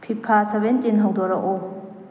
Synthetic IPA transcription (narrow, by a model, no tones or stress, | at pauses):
pʰipʰːasabentinɦawdɔɾɐʔo